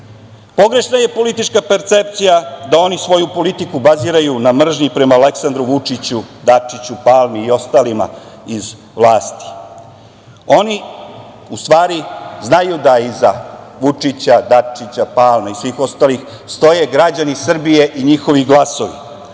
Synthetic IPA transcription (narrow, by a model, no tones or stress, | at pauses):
po̞ɡɾe̞ʃnaje̞po̞lit̪it͡ʂkape̞ɾt̪se̞p̚t̪sijad̪ao̞nisʋo̞jupo̞lit̪ikubaziːɾajunamr̩ʒɲipɾe̞maːle̞ksand̪ɾuʋut͡ʂit͡ɕud̪at͡ʂit͡ɕupaːlˠmiːo̞st̪alima̰ | iz | ʋlˠaːst̪i̥ | o̞ni | ust̪ʋaːɾiznajud̪aizaʋut͡ʂit͡ɕad̪at͡ʂit͡ɕapaːlˠmaisʋiːxo̞st̪aːlix | st̪o̞je̞ɡɾad͡ʑanisr̩bije̞ʔiɲixo̞ʋiɡlˠaso̞ʋḭ